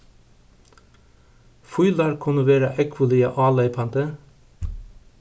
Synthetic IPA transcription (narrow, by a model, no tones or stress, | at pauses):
fʊʏlɑːɾkʰʊnəʋeːɾɑʔɛkʰʋʊliːɑʔɑːlɑɪpʰɑnt̪ə